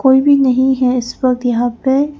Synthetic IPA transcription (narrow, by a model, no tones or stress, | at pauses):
koːibʱinɐɦĩɦɛɪsʋɐk̚t̪jɐɦãːpe